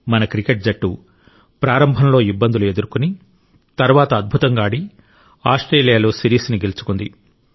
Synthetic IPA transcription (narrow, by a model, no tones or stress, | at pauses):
mɐnɐkɾikeʈ̚d͡ʒɐʈːu | pɾaːɾɐmbʱɐnlo̞ːibːɐnd̪ulue̞d̪uɾukuni | t̪ɐɾuʋaːt̪ɐːd̪̚bʱut̪ɐŋɡaːɽi | aːsʈɾeːlijaːloːsiɾiːsniɡelut͡ʃu̥kund̪i